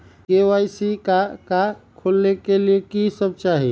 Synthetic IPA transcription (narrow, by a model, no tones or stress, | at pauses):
keajsikakakʰolːekeliekisəb̚t͡ʃaɦi